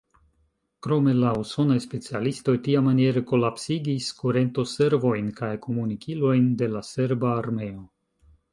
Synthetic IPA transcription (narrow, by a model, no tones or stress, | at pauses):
kɾo̞me̞lauso̞najspe̞t͡sialisto̞jtiamanije̞ɾeko̞lapsiɡiskuɾe̞nto̞se̞ɾvo̞jnkajkʰo̞munikilo̞jnde̞lase̞ɾbaːɾme̞o̞